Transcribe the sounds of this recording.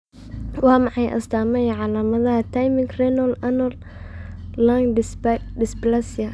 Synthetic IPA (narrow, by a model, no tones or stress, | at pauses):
wɑːmɑħɑjʔɐ̰st̪ʰaːmɐjʕɑlaːmɐðɐhɐt̪ʰajmɪŋɡrɛnɔlɐnɔlː | aŋdɪsblasɪjɐ